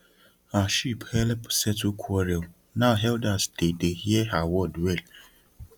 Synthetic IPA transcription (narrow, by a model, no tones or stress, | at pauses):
aʃiphɛlpsɛtukʰɔɾiɔ | naɦɛldasd̥edehieawɔdwɛl